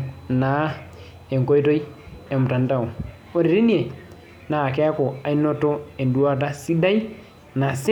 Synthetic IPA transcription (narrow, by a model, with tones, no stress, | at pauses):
na˨ | e˨ŋ˨ko˦i˦to˦i˦e˨mʊ˨ta˨n˦ta˨o˨ | o˨ɾe˨ɾi˦ni˦e˨ | na˨kɛ˦a˦ko˨a˨i˦no˦to˦e˨ndwa˦t̬a˦si˦da˦i˦ | na˨s